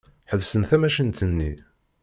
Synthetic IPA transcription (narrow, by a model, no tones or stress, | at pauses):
ħəvsənθæmæʃənt̪ənːḭ